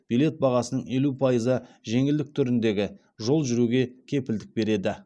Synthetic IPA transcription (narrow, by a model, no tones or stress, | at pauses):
b̥ijle̞t̪̚bɑʁɑsənəɴe̞lupʰɑjəzəʒe̞ŋɪld̪ɪk̚t̪ʰʏɾɪnd̪e̞ɡʲɪ | ʒo̞lˠʒʏɾuɡʲe̞kʲʰe̞pɪld̪ɪk̚be̞ɾe̞d̪ɪ